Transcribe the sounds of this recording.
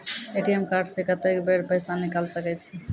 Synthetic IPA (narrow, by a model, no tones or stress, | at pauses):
eʈiemkaɾɖsẽkət̪ekbeɾpəɪsanikəlsəkɛt͡ʃʰi